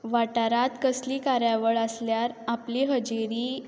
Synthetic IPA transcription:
ʋaʈaɾat̪kəsliːkaɾjaʋəɭəsljaɾapliːɦəd͡ʑiɾiː

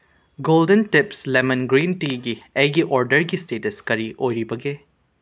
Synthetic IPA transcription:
ɡoldenʈipslemɐnɡɾinʈiɡiɐjɡiʔɔɾɖɐɾɡisteteskɐɾiʔojɾibɐɡe

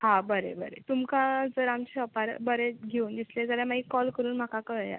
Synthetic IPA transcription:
ɦãbəɾḛbəɾḛt̪umkãd͡zəɾamt͡ɕeəpaɾbəɾeɡʱeund̪isled͡zaljamaikɔlkəɾuːnm̤akakəja̰

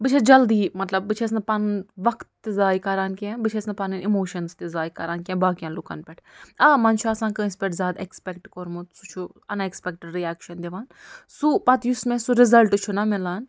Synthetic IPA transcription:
bɨt͡ʃʰɐd͡ʒɐld̪iːmɐt̪lɐb̚ːɨt͡ʃʰes̬nɐpɐnʋɐkt̪ːizaːjkɐɾaːnkɛ̃bɨt͡ʃʰesnɐpɐnɨnimoːʃɐnst̪izaːjkɐɾaːnkʲɛ̃ːbaːkjãnlukɐ̰npʲɛʈʰaːmɐnt͡ʃʰuɐsãːkɨinspʲeʈzʲaːd̪ekspɛkʈkoɾmut̪su̥t͡ʃʰu | ɐnekspʲɛk̚ʈeɖɾiaːkʃɐnd̪eʋaːnsupɐt̪jusmẽsuɾɪzɐlʈt͡ʃʰunɐmɪlaːn

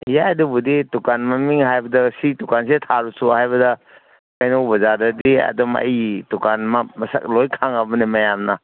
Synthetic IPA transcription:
jaɐdubuditukanmɐmiŋhajbɐdɐsitukansetʰaɾusuhajbɐdɐ | kajnowbɐzaɾdɐdiɐ̰dɔmɐ̰jtukanmɐmɐsa̰klojkʰaŋɐbɐnimɐjamnɐ

